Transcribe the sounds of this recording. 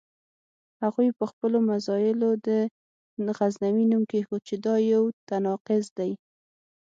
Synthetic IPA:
haɣujpəxpəlomasɑjɪlod̪ə | ɣaznawinumkexot͡ʃɪd̪ɑjawt̪anɑqɪzd̪aj

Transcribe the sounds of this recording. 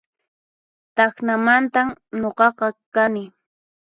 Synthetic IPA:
t̪ɑxnamant̪amɲoqɑqɑkanɪ

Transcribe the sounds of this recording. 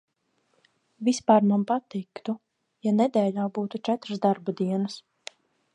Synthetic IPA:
vispaːɾmanpat̪ikt̪u | janɛd̪ɛːʎʲaːbuːt̪ut͡ʃɛt̪ɾəsd̪aɾbud̪iɛnɨs

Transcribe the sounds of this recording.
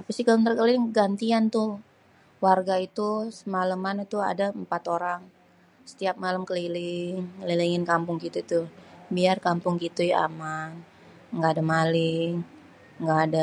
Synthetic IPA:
apasɪkaləŋt̪əɾkəlɪŋɡant̪iant̪ʊh | warɡait̪usəmaləmant̪ua̰dampat̪oɾaŋ | sə̥t̪iap̚maləmkəlilɪŋliliŋɪnkampʊŋɡit̪ut̪ubiarkampʊŋkit̪uja̰man | ŋɡaːdamalɪŋ | ŋɡaːda

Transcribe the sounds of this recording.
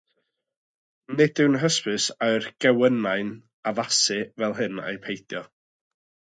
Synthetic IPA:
nɪdɨwnɦəspɨsaɨrɡ̥ɛwənaɨn | avasɨvɛlˠɦɨnḛjpʰejθjɔ

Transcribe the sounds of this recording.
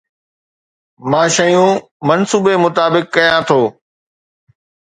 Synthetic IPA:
mãːʃəjũː | mɐnsuːbemʊt̪aːbɪkːɐjãt̪ʰoː

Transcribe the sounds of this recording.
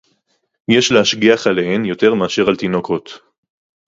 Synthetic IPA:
jeʃleaʃɡiaχalehenjo̞t̪e̞ʁmeaʃe̞ʁalt̪inokot̪

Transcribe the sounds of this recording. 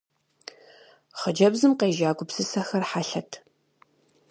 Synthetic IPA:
χəd͡ʒɐbzɨmqeːʒaːɡʷʊpsɨsɐxɐrħaɬɐtʰ

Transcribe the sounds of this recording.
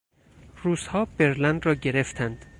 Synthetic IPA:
ruːz̥hɒːb̥e̞ɾlænd̪rɒːɟeɾe̞ft̪ʰænd̪̥

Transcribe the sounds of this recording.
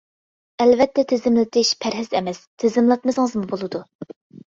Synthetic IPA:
ɛlvɛt̪ʰːɛt̪ʰɪzɪmlɪt̪ʰɪʃpʰæɾɦɪzɛmɛst̪ʰezɪmlˠɑt̪̚mɨsɨŋəzmubolˠɨd̪u

